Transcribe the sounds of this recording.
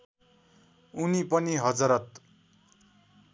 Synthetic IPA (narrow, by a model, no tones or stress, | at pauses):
unipʌniɦʌd͡zʌɾʌt̪